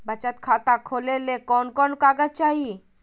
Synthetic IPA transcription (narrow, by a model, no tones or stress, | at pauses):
bat͡ʃat̪̚kʰat̪akʰolelekɔnkɔnkaɡat͡ʃai